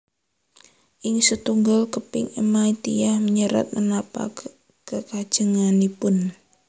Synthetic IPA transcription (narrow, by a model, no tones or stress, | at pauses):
ʔɪŋsət̪uŋɡalkəpɪ̰ŋəmait̪ijahməɲəɾa̰t̪̚mənapa̰ | kəkad̥ʒ̥əŋanipʊn